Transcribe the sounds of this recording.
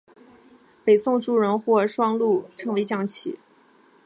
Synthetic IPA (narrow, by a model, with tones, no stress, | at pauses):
pe˨˩ɪsʊ˥˧ŋʈ͡ʂu˥˩ɻə˧˥nxwɔ˥˩ʂwɑ˥ŋlu˥˩ʈ͡ʂʰɤ˧˥ŋwe˧˥ɪt͡ɕjɑ˥˩ŋt͡ɕʰḭ˨˩˦